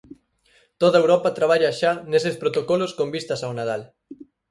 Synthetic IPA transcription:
t̪oðɐewɾɔpɐt̪ɾaβ̞aʎaʃanesespɾot̪okɔloskombist̪ɐsawnað̞al

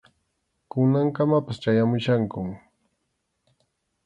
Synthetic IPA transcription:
kʊnaŋkamapast͡ʃajamʊʃaŋkʊm

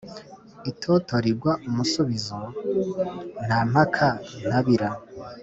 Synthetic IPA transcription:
itʰoːtoɾiɾɡwaʔumusuβizo | n̥ham̥hakʰan̥aβiɾa

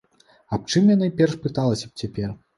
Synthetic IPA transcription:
ɐp̚t͡ʂɨmjanaipʲɛrʂpɨt̪alˠɐsʲɐp̚t͡sʲapʲɛr

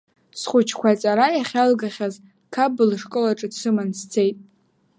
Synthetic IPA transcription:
sχʷʊt͡ʃʰkʷʰat͡sʼaɾajaχʲalɡaχʲaz | kʰabɨlʂkʼɨlaʈ͡ʂʼɨt͡sʰɨmanst͡sʰe̞jtʼ

